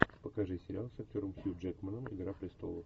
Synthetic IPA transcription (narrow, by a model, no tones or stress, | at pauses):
pəkɐʐɨsʲɪɾʲɪalˠsɐk̚t̪ʲoɾəmsʲjud͡ʒɛt̪mənəmɪ̰ɡɾaplʲɪst̪olˠəm